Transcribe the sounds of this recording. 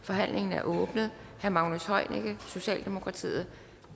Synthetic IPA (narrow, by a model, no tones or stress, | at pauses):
fɒ̽ɦæn̰lʔe̝ŋn̩æɐʔɔːb̥nəð̩ˠhæɐmɑ̈ʊnoshɒ̽ɪ̰neɡ̥əso̝ɕɛ̰ːld̥e̝mo̝kʰʁɑ̈t͡sʰḭːð̩ˠ